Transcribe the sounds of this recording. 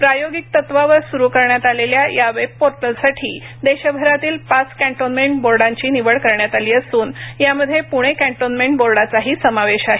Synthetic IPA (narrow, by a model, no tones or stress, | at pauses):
pɾajoɡik̚t̪ət̪ʋaʋəɾsuɾukəɾɳjat̪aleljajaʋepoɾʈəlsaʈʰḭː | d̪eɕəbʱəɾat̪iːlpat͡skæ̃ɳʈonmeɳʈ̚boɾɖaɲt͡ɕiːniʋəɭkəɾɳjat̪aliːəsuːnjaməd̪ʱːjepuɽ̃ekæ̃ɳʈonmeɳʈboɾɖat͡saɦiːsəmaʋeɕaɦe